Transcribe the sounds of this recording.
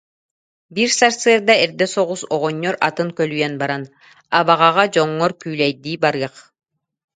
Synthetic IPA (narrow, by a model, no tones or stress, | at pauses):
biɾsaɾsɯɐɾd̪aɛɾd̪ɛsɔʁusɔʁɔɲːɔɾat̪ɯŋkœlyjɛnbaɾan | aβaʁaʁad͡ʑɔŋːɔɾkyːlɛjd̪iːbaɾɯɐq